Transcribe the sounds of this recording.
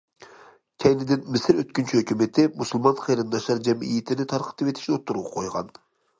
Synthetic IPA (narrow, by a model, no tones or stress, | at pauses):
kʲʰɛjnɪd̪ɪnmɪsɪɾøt̪̚kʲynt͡ʃʰyhøkʲymet̪ʰɪmusulˠmɑnχejɾɨnɪnɑʃɑɾd͡ʒɛmḭjit̪ʰɪnɪt̪ʰɑɾqʰə̥t̪ʰɨpet̪ʰɪ̥ʃnot̪ːuɾuʁɑqʰojʁɑ̰n